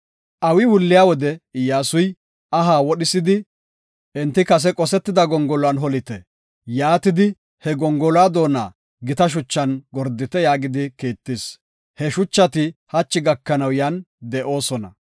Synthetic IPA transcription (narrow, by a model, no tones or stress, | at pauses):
ʔɐwɪwʊlːɪjaːwɔd̪ɛɪjːaːsʊj | ɐɦaːwɔɗɪsɪd̪ɪ | ʔɛnt̪ːɪkɐs̬ɛkʼɔsɛt̪ːɪd̪ɐɡɔŋɡɔlɔanɦɔlɪt̪ɛ | jaːt̪ɪd̪ɪ | hɛɡɔŋɡɔlaːd̪o̞ːna̰ː | ɡɪt̪ɐʃ̬ʊt͡ʃːɐnɡɔɾd̪ɪt̪ɛjaːɡɪd̪ɪkiːt̪ːɪs | hɛʃʊt͡ʃːɐt̪ɪhɐt͡ʃːɪɡɐkːɐnɐwjɐn | d̪ɛʔo̞ːsɔnɐ̰